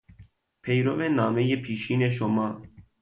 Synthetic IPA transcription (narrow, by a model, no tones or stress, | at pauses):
pʰejɾovenɑːmejeːpʰiːʃiːneʃ̬omɑː